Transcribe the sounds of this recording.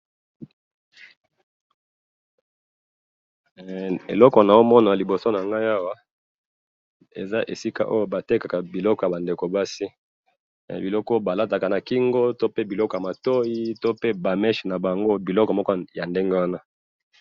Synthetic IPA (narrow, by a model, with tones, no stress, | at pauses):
ḛ˨lɔ˦kɔ˨na˨jo˦mɔ˦na˨li˨bo˨so˦na˨ŋɡa˦ja˦wa˦ | ḛ˨za˦ʔe˨si˦ka̰˦ʔo˦jo˦ba˨te˦ka˨ka˨bi˨lɔ˦kja˨ba˨nde˨ko˨ba˦sḭ˦˨ | bi˨lɔ˦kɔ˦ba˨la˦ta˨ka˨na˨ki˦ŋɡo˦to˦pe˦bi˨lɔ˦kɔ˨ja˨ma˨to˦i˦to˦pe˦ba˨mɛ˦ʃna˨ba˨ŋɡo˦bi˨lɔ˦kɔ˨mɔ˦kɔ˦ja˨nde˦ŋɡe˦wa˦na˦